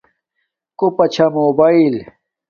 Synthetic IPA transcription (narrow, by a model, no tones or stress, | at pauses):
kopɐt͡ɕʰɐmobail